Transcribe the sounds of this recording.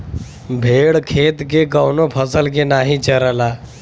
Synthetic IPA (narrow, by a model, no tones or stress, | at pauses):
bʱeːɽkʰeːt̪keɡəwnopʰəsəlk̬enaːɦĩt͡ʃəɾəlaː